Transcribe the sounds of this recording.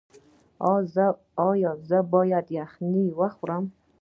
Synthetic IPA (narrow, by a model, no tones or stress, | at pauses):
z | ɔjɔzabɔjadjaχniwaχʷram